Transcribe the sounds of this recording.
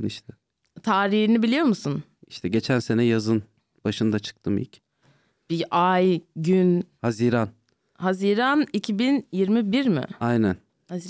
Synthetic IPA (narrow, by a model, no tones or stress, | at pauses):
niʃt̪ʰɛ | t̪ʰaːɾihinibilʲijo̞ɾmusun | iʃt̪ʰɛɟe̞t͡ʃʰænse̞nɛjazɯn | b̥aʃɯnd̪at͡ʃʰɯ̥k̚t̪ʰɯmḭlʲc | b̥iʔajɟynhaziɾan | haziɾanicʰibinjiɾmibiɾmɪ̰ajnæn | ha